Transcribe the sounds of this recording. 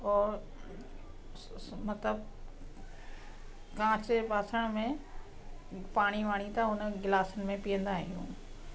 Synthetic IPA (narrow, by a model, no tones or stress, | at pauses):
ɔːɾ | mɐt̪ləb̚ | kãːt͡ɕpaːsəɽ̃mẽ | paːɽ̃iʋaːɽ̃it̪ɐʊnəɡɪlaːsənɪ̆mẽpijə̃nd̪aːɦɪ̃jṵ̃ː